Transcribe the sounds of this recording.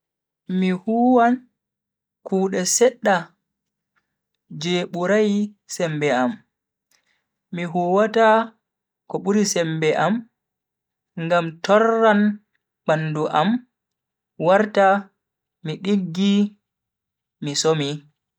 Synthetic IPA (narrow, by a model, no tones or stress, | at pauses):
mihuːwan | kuːɗɛsɛɗːa | d͡ʒeːɓuɾaj | sɛmbɛam | miɦuːwata | kɔɓuɾisɛmbɛʔam | ŋɡamtɔrːan | ɓanːduʔam | waɾta | miɗiɡːi | misomi